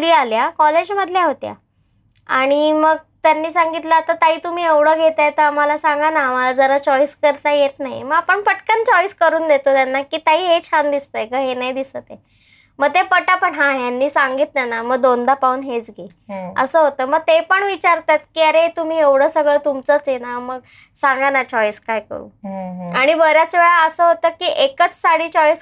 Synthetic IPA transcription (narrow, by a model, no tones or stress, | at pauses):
ɾiːaljakɔled͡ʑməd̪ʱljaɦot̪ja̰ | aɽ̃iməɡ̚ | t̪janːiːsaŋɡit̪ləat̪at̪aɦiːt̪um̤iːeʋɽ̤əːɡʱet̪at̪əamalasaŋɡanaːmalad͡zəɾat͡ɕɔiskəɾt̪ajet̪naɦḭməɡapəɳfəʈkant͡ɕɔiskəɾuːnd̪et̪ot̪janːakiːt̪aɦiːɦet͡ɕʰand̪ist̪əekəɦenaɦid̪isət̪e | məɡt̪epəʈapəɳɦãjanːiːsaŋɡiːt̪nanaməɡ̚d̪ond̪apauːnɦet͡sɡʱe | ə̰səːɦot̪əːməɡ̚t̪epəɳʋit͡ɕaɾt̪at̪kiːəɾet̪um̤iːeʋɽ̤əːsəɡɭəːt̪umt͡sət͡sjenaməɡ | saŋɡanat͡ɕɔjskajkə̰ɾṵːaɽ̃ibəɾjat͡sʋeɭaəsəɦot̪əːkiːʔekət͡ssaɽ̤iːt͡ɕɔjs